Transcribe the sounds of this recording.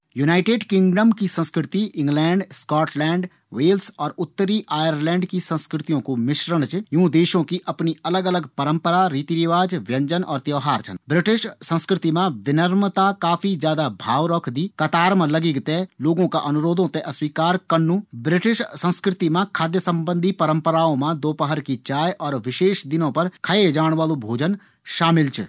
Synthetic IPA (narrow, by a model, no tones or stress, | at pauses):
junaːɪʈeːɖkɪ̃ŋɡɖəmkisə̃nskɾɪt̪iʔɪ̃ŋɡlɛ̃ːɳɖskɔːʈlɛ̃ːɳɖ | ʋeːlsɔːɾʊt̪ːəɾiːʔaːjəɾlɛ̃ːɳɖkisə̃nskɾɪt̪ijõːkomɪʃɾəɽ̃t͡ʃjũːd̪eːʃõːkiʔəpniːələɡələɡpəɾəmpəɾaːɾiːt̪iːɾɪʋaːd͡ʒʋjə̃ɲd͡ʒənɔ̰ːɾt̪jɔːɦaːɾt͡ʃənbɾɪʈɪʃsə̃nskɾɪt̪imãːʋɪnəɾmt̪akaːpʰid͡ʒjaːd̪abʱaːʋɾɔkʰd̪iːkɐt̪aːɾmləɡiɡt̪eloːɡõkaʔɐnʊɾoːd̪õt̪eʔɐswiːkaːɾkənːũːbɾɪʈɪʃsə̃nskɾɪt̪imãkʰaːd̪jəsə̃mbə̃nd̪ʱipəɾə̃mpəɾaːõmãd̪oːpəɦəɾkit͡ʃaːjʔɔːɾʋɪʃeːʃd̪ɪnõpɐɾkʰəed͡ʒaːɽ̃ʋaːlõbʱoːd͡ʒən | ʃaːmɪlt͡ʃ